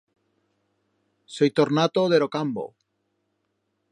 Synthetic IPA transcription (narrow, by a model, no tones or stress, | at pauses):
sojt̪oɾnat̪oðeɾokambo̰